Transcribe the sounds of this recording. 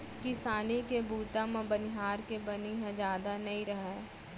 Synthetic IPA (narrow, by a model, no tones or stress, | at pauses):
kɪsaːnikebuːʈãmãbənɪɦaːɾkebɐniɦɛ̃d͡ʒjaːd̪anɐĩɾɐɦɛ̃